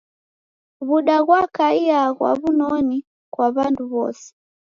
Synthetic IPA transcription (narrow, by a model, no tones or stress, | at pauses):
βuɗaɣwakaiaɣwa̰βunɔni | kwaβanduβɔ̰sɛ̥